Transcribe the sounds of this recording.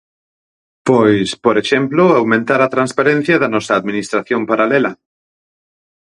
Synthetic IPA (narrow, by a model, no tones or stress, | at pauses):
pojspoɾeʃemploawmẽnt̪aɾat̪ɾanspaɾẽn̟θjaðanɔsaːðmĩnist̪ɾaθjompaɾalela